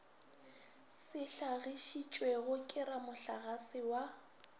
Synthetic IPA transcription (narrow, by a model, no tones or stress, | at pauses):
sɪɬaɣiʃit͡ʃʼweɣʊkʼɪɾamʊɬaɣasɪwa